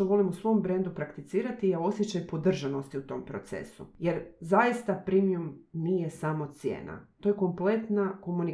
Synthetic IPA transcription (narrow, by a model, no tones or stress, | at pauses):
oʋo̞limusʋo̞mbɾe̞nd̪upɾakt̪it̪siːɾat̪ijao̞sjet͡ɕajpo̞d̪r̩ʒano̞st̪iut̪o̞mpɾo̞̰t̪se̞̰sṵje̞ɾzajist̪apɾimijumnije̞samo̞t̪sjḛːna̰t̪ojeko̞mple̞t̪nako̞muni